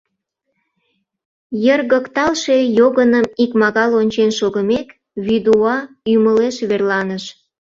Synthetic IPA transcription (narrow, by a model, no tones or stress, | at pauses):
jərɣəkt̪ɑlʃe̽joɣənəmikmɑɣɑlonʲt͡ɕenʃoɣəmek | βid̪uɑ | yməleʃβerlɑnəʃ